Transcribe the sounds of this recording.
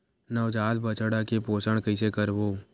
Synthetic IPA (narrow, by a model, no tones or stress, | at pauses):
nəʋd͡ʒaːd̪bət͡ʃəɽakepoːsəɽ̃kəɪsekəɾboː